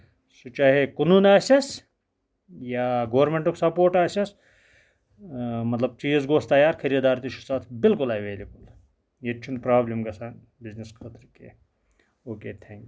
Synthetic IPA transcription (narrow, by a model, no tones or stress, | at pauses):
sut͡ʃaːɦekɐnuːnaːsʲɐs | jaːɡoːɾmeɳʈuksɐpoːɾʈaːsʲɐs | mɐt̪lɐb̚t͡ʃiːzɡoːst̪ɐjaːɾkʰɐɾiɐd̪aːɾt̪iʃu̥saːt̪ʰbɪlkʊlɐʋeːlibɐl | jet͡ʃʰunpɾaːblimɡɐsaːn | bizniskʰɐt̪ɾkḛ | oːkeːt̪ʰẽːŋk